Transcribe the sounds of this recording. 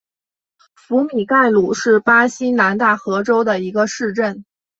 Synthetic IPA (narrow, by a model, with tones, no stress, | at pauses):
fu˧˥mi˨˩ka˥˩ɪlu˨˩ʂɻ̩˥˩pa˥ɕi˥na˧˥nt̪a˥˩xɤ˧˥ʈ͡ʂo˥ʊd̪ə˨i˧˥ɡə˧ʂɻ̩˥˧ʈ͡ʂə˥˩n